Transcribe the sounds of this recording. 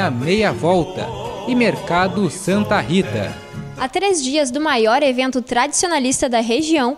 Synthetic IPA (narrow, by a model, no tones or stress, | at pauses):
ɐmejɐvɔwt̪ɐ̰ɪmeɾkad̪ʊsɐ̃nt̪ɐɦit̪ɐ̰ | at̪ɾezd͡ʒiɐzd̪ʊmajɔɾevẽnt̪ʊt̪ɾad͡ʒisionalist̪ɐd̪ɐɦeʒiɐ̃w̃